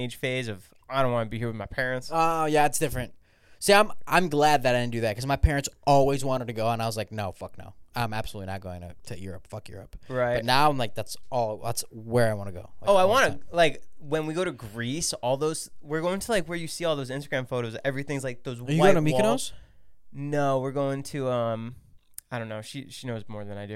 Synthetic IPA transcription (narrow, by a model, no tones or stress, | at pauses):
eɪd̥ʒ̥feɪzʌv̥ | aɪɾõʊ̃nwɑ̃nəbihiɹwɨðmaɪpʰɛɹɨ̃ntsojæætsd̥ɪfɹɨ̃nt̚ | soãɪ̃mʔãɪ̃mɡlæd̪̚ðɨɾaɪdɨ̃ndɨðæt̚kʰʌzmaɪpʰɛɹɨ̃ntsɔlˠwizwɑ̃ɾ̃ə̃tɨɡoʊə̃naɪwʌzlaɪk̚noʊfʌk̚no̰ʊãɪ̃mæ̰b̥səlutlinət̚ɡ̥oʊɪ̃ŋɨ̰tʰɨjʊ̰ɹɨ̰pfʌkjʊ̰ɹɨ̰p̚ɹaɪʌtⁿnaʊãɪ̃mlaɪk̚ðætsɔlˠðæ̰tswə˞aɪwɑ̃nɨɡoʊlaɪoʊaɪwɑ̃nɨlaɪkwɨ̃nwiɡoʊɾɨɡɹisɔlˠðoʊz̥wɪɹɡoʊɪ̃ŋtʰəlaɪkwə˞jɨsiɔlˠðoʊzɪ̃nstəɡɹæ̃ɱfoʊɾoʊzɛvɹiθɪ̃ŋzlaɪk̚ðoʊzwəjɨɡaʊɪ̃ŋnəmiwnoʊz̥ | noʊwɪɹɡoʊɪ̃ŋtʰʉʌ̃m | aɪɾõʊ̃nːoʊʃḭʃinoʊzmɔɹðɨ̃naɪdɨ